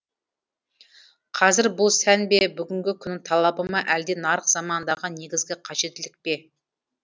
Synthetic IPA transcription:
qʰɑzɪɾbʊlˠsænbe̞bʏɡʲɪŋɡʲɪkʲʰʏnɪŋt̪ʰɑlˠɑbəmɑʔæld̪e̞nɑɾəqz̥ɑmɑnd̪ɑʁɑe̞ɡʲɪzɡʲɪqʰɑʒe̞t̪ːɪlɪk̚pe̞

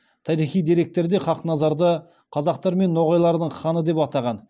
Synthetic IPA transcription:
t̪ʰɑɾijχijd̪iɾe̞k̚t̪e̞ɾd̪eχɑqnɑzɑɾd̪ə | qʰɑzɑqt̪ɑɾme̞nːo̞ʁɑjlˠɑɾd̪əɴχɑnəd̪e̞pɑt̪ɑʁɑn

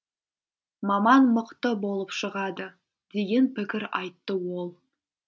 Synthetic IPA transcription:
mɑmɑnməqt̪əbo̞lˠəpʃəʁɑd̪ə | d̪̥e̞ɡʲe̞npɪkʲɪɾɑjt̪ːəwolˠ

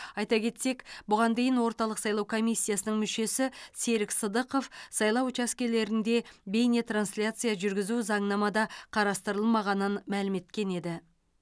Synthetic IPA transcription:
ɑjt̪ɑkʲʰe̞t̪se̞kbʊʁɑnd̪e̞jɪnwo̞ɾt̪ɑlˠəqsɑjlˠɑwkʰo̞mijsʲːijasənəɴmʏʃe̞sɪse̞ɾɪksəd̪əqo̞fsɑjlˠɑwt͡ʃɑskʲe̞le̞ɾɪnd̪e̞be̞jnet̪ransʲlʲat̪sɨjaʒʏɾɡʲɪzuzɑɴnɑmɑd̪ɑqʰɑɾɑst̪əɾəlˠmɑʁɑnənmælɪme̞t̪kʲe̞ne̞d̪ɪ

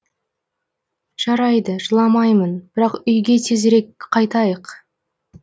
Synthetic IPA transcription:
ʒ̥ɑɾɑjd̪əʒəlˠɑmɑjmənb̥ɪɾɑqʏjɡʲe̞t̪ʰezɾe̞kqʰɑjt̪ɑjəq

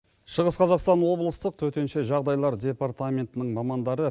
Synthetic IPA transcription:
ʃəʁəsqʰɑzɑqst̪ɑnwo̞blˠəst̪əq̚t̪ʰɵt̪e̞nʃe̞ʒɑʁd̪ɑjlˠɑɾd̪ʲe̞part̪amʲe̞nt̪ɪnɪɴmɑmɑnd̪ɑɾə

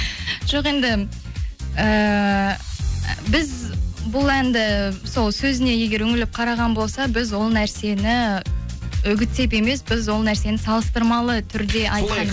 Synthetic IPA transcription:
ʒ̥o̞qe̞nd̪ɪ | ə | bɪzbʊlˠænd̪ɪso̞lˠsɵzɪne̞je̞ɡʲe̞ɾɵŋɪlɪp̚qʰɑɾɑʁɑnbo̞lˠsɑbɪzwo̞lˠnæɾse̞nɪ | ʏɡʲɪt̪se̞p̬e̞me̞sbɪzwo̞lˠnæɾse̞nɪsɑlˠəst̪əɾmɑlˠət̪ʰʏɾd̪e̞ʔɑjt̪̚qʰɑn

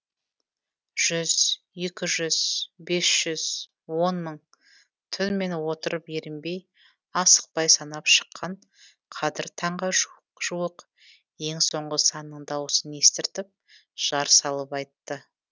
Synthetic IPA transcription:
ʒ̥ʏz̥je̞kʲɪʒʏz̥be̞sʒ̥ʏz̥ | wo̞nməɴ | t̪ʰʏnme̞nwo̞t̪əɾəpeɾɪmbe̞j | ɑsə̥q̚pɑjsɑnɑpʃə̥qʰːɑɴ | qʰɑd̪ɪɾt̪ʰɑɴʁɑʒ | ʒ̥uwəq | je̞ŋso̞ɴʁəsɑnːəɴd̪ɑwəsəne̞st̪ɪɾt̪ɪp̚ | ʒ̥ɑɾsɑlˠəpɑjt̪ːə

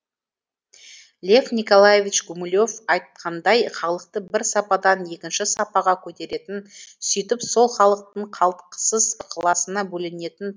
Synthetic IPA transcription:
lʲe̞fnijko̞lˠajevʲit͡ʃɡumʊlʲo̞fɑjt̪̚qʰɑnd̪ɑjχɑlˠəq̚t̪əbɪɾsɑpɑd̪ɑnje̞kʲɪnʃɪsɑpɑʁɑkʲʰɵt̪e̞ɾe̞t̪ɪnsʏjt̪ɪpso̞lˠχɑlˠəq̚t̪əɴqʰɑlˠt̪qə̥səzqʰəlˠɑsənɑbɵlɪne̞t̪ɪn

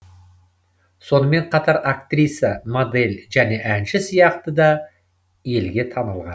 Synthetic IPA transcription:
so̞nəme̞ɴqʰɑt̪ɑɾakt̪rʲijsəmod̪e̞lʲʒæne̞ʔænʃɪsijɑqt̪əd̪ɑ | je̞lɡʲe̞t̪ʰɑnəlˠʁɑn

